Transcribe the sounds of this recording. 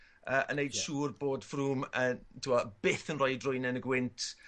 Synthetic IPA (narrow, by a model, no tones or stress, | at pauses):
əːʔə̰nejd̥ʃuːrboːd̥fruːməntʰuwɔb̥ɪθənrɔɨdrʊjnɛnəɡwɪntʰ